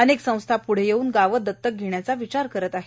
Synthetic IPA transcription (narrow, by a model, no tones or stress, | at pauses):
əneksə̃w̃st̪ʰapuɽ̤ejeuːnɡaʋəd̪ʱət̪ːək̚ɡʱeɳjat͡saʋit͡ɕaɾkəɾət̪aɦe̥